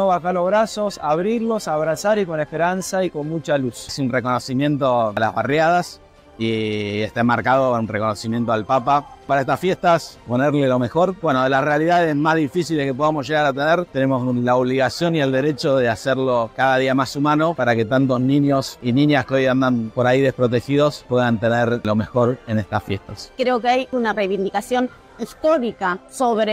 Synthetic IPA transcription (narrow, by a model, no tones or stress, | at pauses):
noβaxalo̞zβɾaso̞saβɾiɾlo̞saβɾasaɾiko̞nehpeɾansaiko̞nmut͡ʃalussiunreko̞no̞simjẽ̞nt̪o̞la̰zβarjaðas | ieht̪aemaɾkað̞ounrekonosimje̞nt̪oalpapapaɾaeht̪asfje̞ht̪aspo̞neɾlelo̞me̞xo̞ɾbwe̞noðelasrealiðaðezmazðifisilekep̬o̞ðamosʒe̞ɣaɾat̪eneɾt̪ene̞moslaoβliɣasjo̞nie̞ld̪eɾe̞t͡ʃoðeaseɾlo̞kaðaðiamasumano̞paɾake̞t̪ant̪o̞znĩnjo̞sinĩnjaskeo̞jand̪anpo̞ɾaiðespɾo̞t̪̬e̞xiðo̞spweðant̪e̞neɾlo̞me̞xo̞ɾe̞nest̪asfje̞hst̪askɾeokeajunarejβind̪ikasjo̞n | est̪oɾikasoβɾe